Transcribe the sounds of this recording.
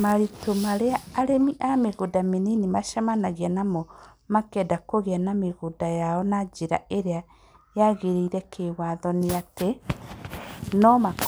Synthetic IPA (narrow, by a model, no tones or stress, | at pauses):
maɾitomaɾeaːɾemiʔameɣodameninimaʃamanaɣianamɔ | makɛdakoɣeanameɣodajaɔnad͡ʒeɾa̰eɾea | jaɣeɾeiɾɛkʰewaðɔneate | nɔmak